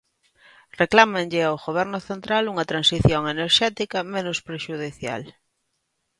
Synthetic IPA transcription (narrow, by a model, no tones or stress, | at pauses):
reklamenʎɪawɣoβ̞ɛɾnʊθent̪ɾaluŋɐt̪ɾansiθjoŋeneɾʃɛt̪ikɐmẽnʊspɾeʃuðiθja̰l